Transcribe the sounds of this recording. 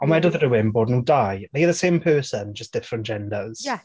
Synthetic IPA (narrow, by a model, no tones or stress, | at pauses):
ə̃nmaɪdəðəɹəwɪ̃nbɔdⁿnudajðejəðəsẽːmpʰɜːˑsə̃nd͡ʒəsd̥ɪfɹə̃nd̥ʒ̥ɛ̃ndəz̥j